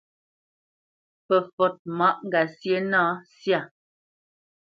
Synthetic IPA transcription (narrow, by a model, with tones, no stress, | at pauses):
pə˨fɔ˨t̚mɔ˦ʔŋ˨ɡa˨sje˦nã˦sja˦˨